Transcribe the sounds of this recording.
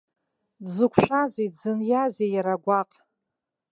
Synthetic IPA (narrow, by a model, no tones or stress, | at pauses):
dzɨkʷʰʃʷᶣazezɨnjazejaɾaɡʷaqʼ